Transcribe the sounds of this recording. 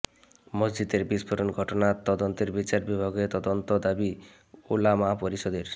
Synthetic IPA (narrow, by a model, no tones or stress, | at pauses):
mʌzd͡ʒid̪eɾbispʰuɾonɡʱɔʈonat̪ɔd̪ɔnt̪eɾbit͡ʃaɾbibʱaɡet̪ɔd̪ɔnt̪od̪abi | ulamapoɾiʃɔd̪eɾ